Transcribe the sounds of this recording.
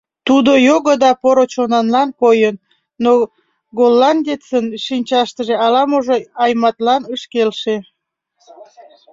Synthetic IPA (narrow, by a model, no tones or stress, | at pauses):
t̪ud̪ojoɣəd̪ɑpoɾot͡ɕonɑnlɑnkojənː | o | ɡolːɑnd̪ʲet͡sənʃinʲt͡ɕɑʃt̪əʒeɑlɑmoʒoɑjmɑt̪lɑnəʃkelʃe